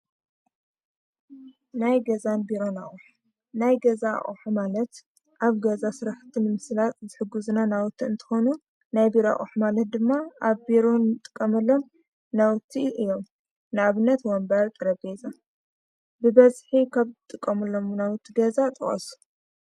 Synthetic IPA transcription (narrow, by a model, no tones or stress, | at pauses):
najɡɐzanbiɾo̞na̰χʼuħ | najɡɐza̰χʼṵħumalɐt̪ | ʔaβɡɐzasɨɾaħɨt̪ʰːinɨmɨslat̪zɨħɨɡːuzunanawt̪ʰːiɨnt̪ʰɨ̥xo̞nu | najbiɾoa̰ʔʼuħmalɐt̪̚d̪ɨmːaʔaβbiɾonɨt̪ʼɨ̥kʼːɐmɐlːo̞m | nawt̪ʰːiʔɨjːom | nɨaβɨnːɐt̪wɔmbɐɾt̪ʼɨɾɐbeza | bɨbɐzħikʰaβzɨt̪ʼɨkʼːɐmɐlːo̞mnawt̪ʰːiɡɐzat̪ʼɐχʼɐ̰su̥